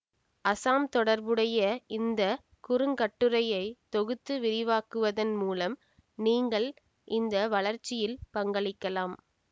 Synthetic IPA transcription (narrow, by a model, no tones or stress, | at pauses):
ɐsaːmt̪ɔɽɐɾbɯɽɐjɐɪnd̪ɐ | kʊɾɯŋkɐʈːɯɾɐjɐɪt̪ɔɣɯt̪ːɯʋɪɾɪʋaːkɯʋɐðɐnmuːlɐm | niːŋɡɐɭ | ʔɪnd̪ɐʋɐɭɐɾt͡ʃːɪjɪlpɐŋɡɐɭɪkːɐlaːm